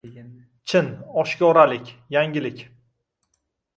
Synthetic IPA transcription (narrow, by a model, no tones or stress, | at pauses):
t͡ʃʰɪnɒʃkʲɒɾalɪkʲjaŋɡʲɪlɪkʲ